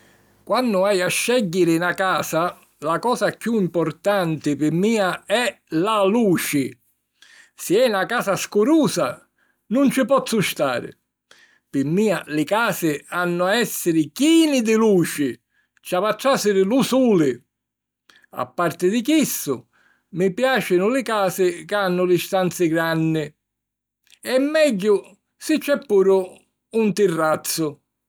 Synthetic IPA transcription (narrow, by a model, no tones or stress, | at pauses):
kwanːʊajaʃːɛɟːɪɾɪnakaːsa | lakɔːsakːjuimpʊrt̪ant̪ɪpɪmːiːaɛ | laluːt͡ʃɪ | sɪɛnakaːsaskʊɾuːsa | nʊnt͡ʃɪpɔt̪sːʊʃt̪aːɾɪ̰ | pɪmːiːalɪkaːsɪanːʊaɛsːɪɾɪkiːnɪd̪ɪluːt͡ʃɪ | t͡ʃavat̪ːasɪɾɪlusuːlɪ | a̰pːart̪ɪd̪ɪkisːʊ̰ | mɪpjaːt͡ʃɪnʊlɪkaːsɪkanːʊlɪst̪ant̪sɪɡɾanːɪ | ɛmːɛɟːʊ | sɪt͡ʃːɛpːuːɾʊː | nt̪irːat̪sːʊ